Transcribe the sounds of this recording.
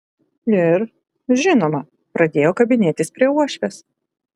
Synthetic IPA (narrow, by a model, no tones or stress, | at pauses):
ɪɾ | ʒʲɪnoːmɐ | pɾɐd̪ʲeːjoːkɐbʲɪnʲeːt̪ʲɪspʲɾʲiɛuɔʃʲʋʲes